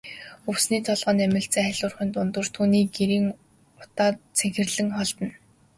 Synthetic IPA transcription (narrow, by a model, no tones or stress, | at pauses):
ɵwsniːt̪ʰɔɮʁɔːnæmʲɪ̆ɬt͡seːχæɮʲʊːrχiːnt̪ʊnt̪ɵ̆r̥t̪ʰuːniːɡeɾiːŋ | ʊ̥t̪aːt͡sʰæxʲɪ̆rɮɘ̆ŋχɔɮt̪ə̆n